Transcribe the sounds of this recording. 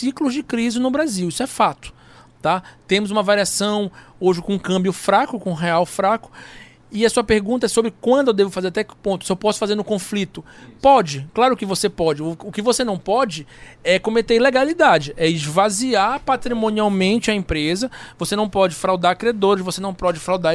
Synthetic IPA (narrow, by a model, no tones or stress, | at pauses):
siklʊzd͡ʒɪkɾizɪnʊbɾaziwisʊɛfat̪ʊ̥ | t̪at̪ẽmʊzũmɐvaɾiasɐ̃w̃ | oʒɪkõũkɐ̃mbjʊfɾakʊkõũɦeawfɾakʊ̥ | ɪɐsuɐpeɾɡũt̪̬ɐɛsobɾɪkwɐ̃nd̪ʊewd̪evʊfazeɾat̪ɛkɪ̥põt̪ʊ̥sɪewpɔsʊ̥fazeɾnʊ̃kõflit̪ʊpɔd͡ʒɪklaɾʊkɪvosepɔd͡ʒɪʊkɪvosenɐ̃w̃pɔd͡ʒɪɛkõmet̪eɾleɡalid̪ad͡ʒɪʔɛɪzvaziaɾpat̪ɾimõniawmẽnt͡ʃɪɐẽpɾezɐvosenɐ̃w̃pɔd͡ʒɪfɾawd̪aɾkɾiad̪oɾɪzvosenɐ̃w̃pɔd͡ʒɪfɾawd̪a